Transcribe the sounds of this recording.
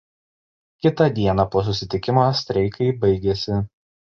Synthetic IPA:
kʲɪt̪ɐd̪ʲiɛnɐpoɔs̬ʊsʲɪt̪ʲɪkʲɪmosʲt̪ʲɾʲɛɪkɐɪbɐɪɡʲɛsʲɪ

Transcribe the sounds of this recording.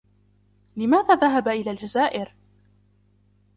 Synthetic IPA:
lɪmaːðaːðaɦabaʔɪlaːld͡ʒazaːʔɪɾ

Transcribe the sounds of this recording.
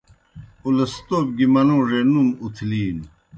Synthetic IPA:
ulɐst̪oːp̚ɡimɐnõːʐenumut̪ʰliːn

